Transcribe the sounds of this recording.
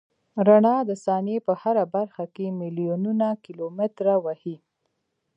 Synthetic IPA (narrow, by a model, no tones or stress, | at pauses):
ɾaɳɑd̪əsɑnepəhaɾabaɾxakemɪlijununakɪlomɪt̪ɾawahi